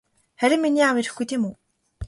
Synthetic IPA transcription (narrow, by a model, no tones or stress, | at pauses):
χæɾʲɪ̆mːiniːawiɾɘ̆xɡujt̪ʰeːmuː